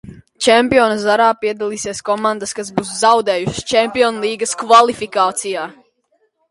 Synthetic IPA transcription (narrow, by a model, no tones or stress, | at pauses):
t͡ʃɛmpiɔnɐzaɾaːpiɛd̪alˠiːsiɛskɔmand̪əskaz̬buːszawd̪ɛːjuʃst͡ʃɛmpiɔnlˠiːɡɐskvalˠifikaːt̪sijaː